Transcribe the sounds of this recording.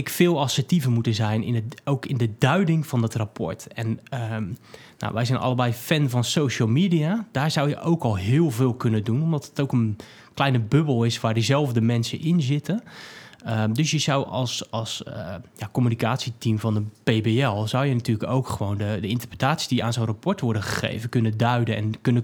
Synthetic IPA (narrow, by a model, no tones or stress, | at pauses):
ɪkfɪːlˠɑsətivəmutəzɛjnɪ̰nowkɪndədœɥdɪŋv̥ɔndɔtrapʰɔ̰ɹtɛnəː | a̰wʋɛjzɛjnʔɑ̰lˠəbɛjfɛnvɔnsowʃəlˠmiːdiad̥aːɹzawjəʔowkɔlˠɦɪːlˠvɪːlˠkønədunomdɔtətowkən | klɛjnəbøbəl̩ˠɪsʋaːɹdizɛlˠvdəmɛnsə̰ʔɪnzɪtʰə | ədøsjəzawɔlˠsɑlˠsəjakomynikaːtsitimvɑndəpeːbeɛlˠzawjənatyːləkowkχəʋoːndədəɪntərprə̥taːtsi̥diaːnzoːnrapɔɹtʋʊɹdəχəχḛjvəkɵnədœɥdəɛ̰nkønə